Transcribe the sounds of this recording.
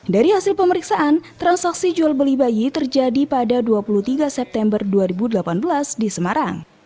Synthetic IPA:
daɾihasɪlpəməɾiksaʔant̪ɾansaksid͡ʒualbəlibajit̪ərd͡ʒadipadaduapulut̪iɡasɛp̚t̪ɛmbərduaɾibudəlapanbəlasdisəmaɾaŋ

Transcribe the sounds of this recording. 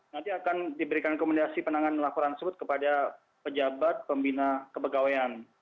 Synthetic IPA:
nant̪iakandibəɾikankoməndasipənaŋanlapɔɾant̪ərsəbʊt̪̚kəpada | pəd͡ʒabat̪̚pəmbinakəpəɡawaan

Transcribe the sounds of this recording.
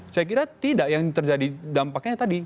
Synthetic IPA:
sajakiɾat̪idaʔjaŋt̪ərd͡ʒadidampakɲat̪adi

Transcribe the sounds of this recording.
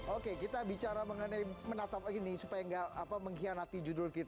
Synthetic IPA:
okekit̪abit͡ʃaɾaməŋənajmənat̪ap̚inisupajaŋɡaʔapaməŋɦianat̪id͡ʒudʊrkit̪a

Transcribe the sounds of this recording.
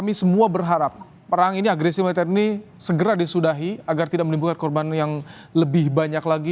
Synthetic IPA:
kamisəmuabərɦaɾap̚ː | əɾaŋiniaɡɾesimat̪əɾinisəɡəɾadisudaɦiaɡart̪idaʔ̚mənimbukankɔrbanjaŋ | ləbɪhbaɲaklaɡi

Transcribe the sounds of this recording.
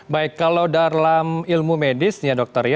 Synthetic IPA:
baɪkːalawdalamilmumedɪsɲadɔk̚t̪ərja

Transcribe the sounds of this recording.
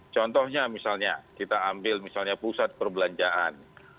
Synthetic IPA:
t͡ʃɔnt̪ɔhɲamisalɲakit̪aːmbɪlmisalɲapusat̪̚pərbəlaɲd͡ʒaʔa̰n

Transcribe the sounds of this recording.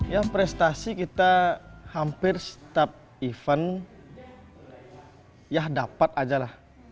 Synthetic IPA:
japɾɛst̪asikit̪ahampɪrst̪ap̚ | ifan | jahdapat̪̚ad͡ʒalah

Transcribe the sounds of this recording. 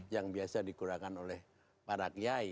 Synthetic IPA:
jaŋbiasadikuɾakanolɛh | paɾakjai

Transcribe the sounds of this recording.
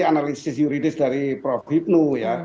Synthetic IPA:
ianalissisjuɾit̪isdaɾipɾɔfkʰip̚nuja

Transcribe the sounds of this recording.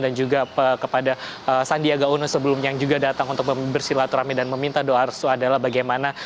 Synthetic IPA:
dand͡ʒuɡaəkəpadaəsandiaɡaunosəbəlʊmjaŋd͡ʒuɡadat̪aŋunt̪ʊk̚məbərsilat̪uɾamidanməmint̪adoarsuadalahbaɡajmana

